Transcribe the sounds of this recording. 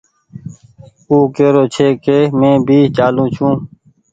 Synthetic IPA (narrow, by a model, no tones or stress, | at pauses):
uːkeːɾoːt͡ʃʰeːkeːmẽːbʱiːt͡ʃaːlũːt͡ʃʰũː